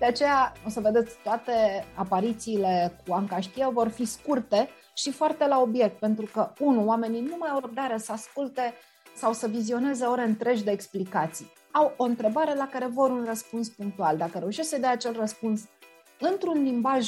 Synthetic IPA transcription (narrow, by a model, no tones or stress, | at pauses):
d̪eat͡ʃe̞jao̞səve̞d̪e̞t̪sʲt̪oat̪e̞apaɾit̪siːle̞kuaŋkaʃt̪iavo̞rfiskurt̪e̞ | ʃifoart̪e̞lao̞bje̞k̚t̪̚pe̞nt̪ɾukəunuoame̞ninumajawrəb̚d̪aɾesəaskult̪e̞ | sawsəvizio̞ne̞ze̞oɾe̞ɨnt̪ɾe̞ʒʲd̪e̞ːksplikat̪sij | awo̞ɨnt̪ɾe̞baɾe̞lakaɾe̞vo̞ɾunrəspunspuŋk̚t̪uald̪akəɾe̞uʃeʃsəd̪eaːat͡ʃe̞lrəspuns | ɨnt̪ɾunlimbaʒ